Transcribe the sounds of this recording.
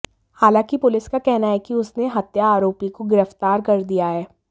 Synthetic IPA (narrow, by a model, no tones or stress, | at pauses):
haːlãːkipʊlɪskakɛɦnaɦɛkiʊsneɦɐt̪jaːɾoːpikoɡɪɾəft̪aːɾkɐɾd̪ijaɦɛː